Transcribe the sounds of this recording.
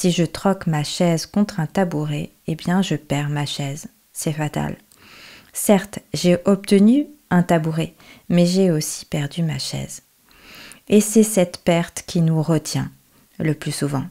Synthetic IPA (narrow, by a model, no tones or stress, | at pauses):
siʒət̪χɔkmaʃɛzkɔ̃t̪χɛ̃t̪abuʁe | ebjɛ̃ʒəpɛʁmaʃɛz | sɛfat̪a̰l | sɛʁt̪ʒeʔɔp̚t̪ənyɛ̃t̪abuʁe | mɛʒeosi̥pɛʁd̪ymaʃɛ̰z | esɛsɛt̪pɛʁt̪kʲinuʁət̪jɛ̃ | ləplysuvɑ̃